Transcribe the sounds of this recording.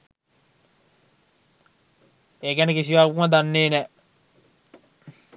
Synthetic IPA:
ekɛnekis̬iʋaːkumad̪anːeːnɛ

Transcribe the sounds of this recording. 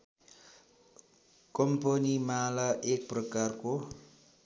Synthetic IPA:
kɔmponimalaʔek̚prəkarko

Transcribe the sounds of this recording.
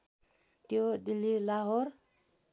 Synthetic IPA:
t̪iodililaɦɔɾ

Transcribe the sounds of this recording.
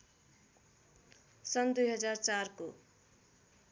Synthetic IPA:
sʌnd̪ujɦʌd͡zart͡sarko

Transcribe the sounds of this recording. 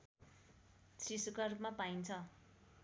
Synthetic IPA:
t͡sʰisukarupmapaint͡sʰʌ

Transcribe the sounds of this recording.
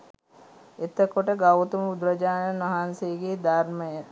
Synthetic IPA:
et̪əkoʈəɡɐwt̪umud̪ɾɐd͡ʒaːnənʋɐɦansejɡeːd̪ʱaɾməjə

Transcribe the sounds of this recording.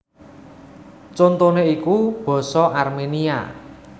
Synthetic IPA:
t͡ʃont̪oneikub̥ɔ̤sɔʔarmenia̰

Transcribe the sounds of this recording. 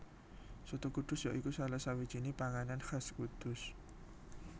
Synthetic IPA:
sut̪ukud̪̥ʊ̤sjɔʔikusalasawid̥ʒ̥inipaŋananxaskud̪̥ʊs

